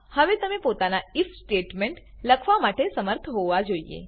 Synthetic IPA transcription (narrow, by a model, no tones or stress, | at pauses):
həʋet̪əmepot̪anaifsʈeʈmeɳʈ | ləkʰʋamaʈesəməɾt̪ʰɦoʋad͡ʒoiḛ